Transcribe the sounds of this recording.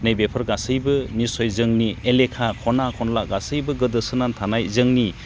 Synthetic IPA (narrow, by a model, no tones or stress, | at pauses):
nejbepʰɯɾɡasɯjbɯnisɔjzɯŋnielekʰakʰɔnakʰɔnlaɡasɯjbɯɡɯdɯsɯnantʰanajzɯŋni